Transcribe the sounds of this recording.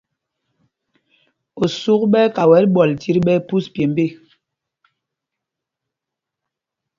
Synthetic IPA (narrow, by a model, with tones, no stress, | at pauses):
o˨su˦k̚ɓɛ˦ka˨wɛ˨˦lɓɔ˨lti˦ɾɓɛ˦pu˦spje˨m˦be˦˨